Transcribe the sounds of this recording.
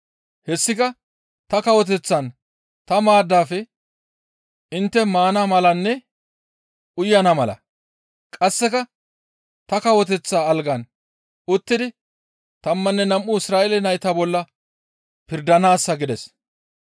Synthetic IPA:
hɛsːɪkɐ | t̪ɐkɐwɔt̪̬ɛt͡sːɐn | t̪ɐmaːd̪ːaːfɛ | ʔɪnt̪ːɛmaːnamɐlɐnːɛ | ʔʊjːɐnɐmɐlɐ̰ | kʼɐsːɛkɐ | t̪ɐkɐwɔt̪̬ɛt͡sːaːlɡɐn | ʊt̪ːɪd̪ɪ | t̪ɐmːɐnːɛnɐmʔːʊɪsɾaːʔelɛnɐjt̪abɔlːɐ | pɪɾd̪ɐnaːsːɐɡɪd̪ɛs

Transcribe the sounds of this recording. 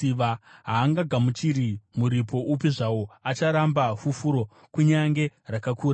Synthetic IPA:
iʋaɦaːŋɡaɡʱamut͡ʃiɾimuɾipo̞ʔup̬iʐawo̞at͡ʃaɾambafufuɾo̞ | kuɲaŋɡe̞rakakuːɾa

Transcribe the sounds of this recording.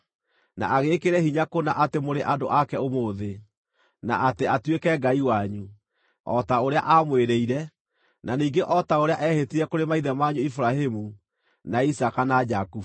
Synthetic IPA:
na̰aɣekeɾɛhiɲakonaʔatemoɾeʔado̰ʔakɛomoːðe | na̰ateatwekɛɡaiwaɲu | ɔ̰taoɾea̰ʔamweɾeiɾɛ | naniːɡeʔɔtaoɾeaʔɛhetiɾɛkoɾemaiðɛmaɲuifuɾahemu | naisakanad͡ʒaku

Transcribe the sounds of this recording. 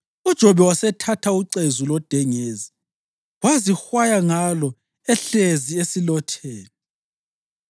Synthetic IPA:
ud̥ʒ̥ʱɔβɛwasɛtʰatʰauǀezulɔd̥ʱɛŋeːzi | wazixwajaŋalɔ | ɛɬeziesilɔtʰeːnɛ

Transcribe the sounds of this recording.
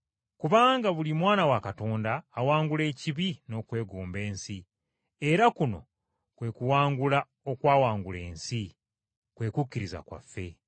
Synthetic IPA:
kuβaːŋɡaβulimwaːnawakato̞ːndaːwaːŋɡule̞ːciβino̞kwe̞ːɡuːmbe̞ːnsi | e̞ɾakuno̞̰ | kwe̞ːkuwaːŋɡula | o̞kwaːwaːŋɡule̞̰ːnsi | kwe̞ːkukːiɾiza̰kwa̰fːe̞̰

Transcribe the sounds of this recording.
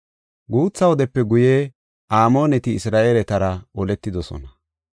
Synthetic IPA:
ɡuːt͡sːɐwɔd̪ɛpːɛɡʊje | ʔaːmo̞ːnɛt̪ɪːsɾaːʔelɛt̪ɐɾɐɔlɛt̪ːɪd̪ɔsɔ̰nɐ

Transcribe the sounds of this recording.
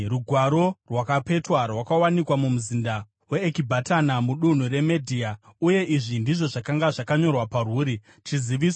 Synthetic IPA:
ruɡʱwaɾo̞rwakape̞twarwakawanikwamumuzinda | we̞ːkibʱatanamuɗun̤ure̞medʱiauje̞ʔiʐindiʐo̞ʐakaŋɡaʐakaɲo̞rwaparuːɾi | t͡ʃiziʋiːsw

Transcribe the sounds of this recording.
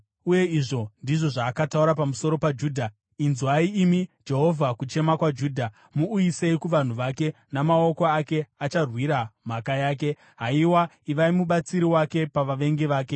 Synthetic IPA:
uje̞iʐo̞ndiʐo̞ʐaːkatauɾapamuso̞ɾo̞pad͡ʒuːdʱa | inzuwaiimid͡ʒe̞ɦo̞vʱakut͡ʃe̞makwad͡ʒuːdʱa | muːjise̞ikuʋan̤uʋake̞ | namao̞ko̞ake̞at͡ʃarwiɾam̤akajaːke̞ | ɦaiwa | iʋaimuɓat͡siɾiwake̞paʋaʋe̞ŋɡeʋaːke̞

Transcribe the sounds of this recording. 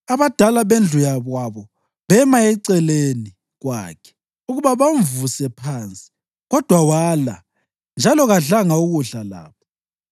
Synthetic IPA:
aβad̥ʱalaβend͡ɮʱujaβwaβɔ | βɛmaɛǀɛleni | ɣwa̰ːkʰɛ̥ | uɣuβaβaɱvusɛpʰant͡sʼi̥ | ɣɔd̥ʱwawala̰ | nd͡ʒʱalɔɣaɮaŋauɣuɮala̰ːpɔ

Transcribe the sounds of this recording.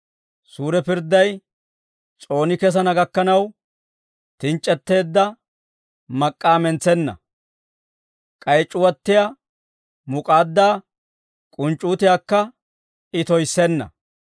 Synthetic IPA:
suːɾɛpɪɾd̪ːɐj | t͡sʼo̞ːnɪkɛs̬ɐnɐɡɐkːɐnɐw | t̪ɪnt͡ʃʼːɛt̪ːe̞ːd̪ːɐ | mɐkʼːaːmɛnt͡sɛnːɐ̰ | kʼɐjt͡ʃʼːʊwɐt̪ːɪja | mʊkʼaːd̪ːaː | kʼʊnt͡ʃʼːuːt̪ɪjaːkːɐ | ɪt̪ɔjsːɛnːɐ̰

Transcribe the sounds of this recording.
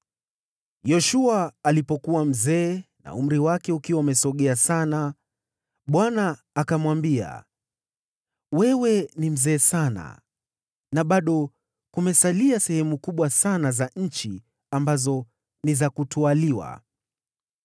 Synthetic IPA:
jɔʃuaːlipɔkuwam̩zɛːna̰um̩ɾiwakɛukiwaumɛsɔɠɛasana | ɓwanaː | kamwambia̰ | wɛwɛnim̩zɛːsana̰ | naɓaɗɔ | kumɛsaliasɛhɛmukuɓwasanazaɲ̩t͡ʃi | ambazɔ | nizakutualiwa̰

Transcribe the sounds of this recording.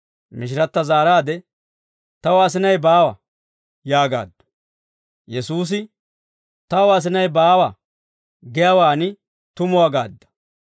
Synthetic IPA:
mɪʃ̬ɪɾɐt̪ːɐzaːɾaːd̪ɛ | t̪ɐwɐs̬ɪnɐjbaːwɐ | jaːɡa̰ːd̪ːʊ̥ | jɛsuːs̬ɪ | t̪ɐwɐs̬ɪnɐjbaːwa | ɡɛjɐwaːnɪ | t̪ʊmʊwaɡa̰ːd̪ːɐ̥

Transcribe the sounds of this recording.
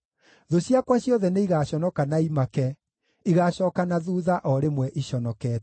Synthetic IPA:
ðoɕjakwaɕjɔðɛneiɣaɕɔnɔkanaimakɛ | iɣaɕɔːkanaðuːðaʔɔɾemwɛʔiɕɔnɔkɛːt

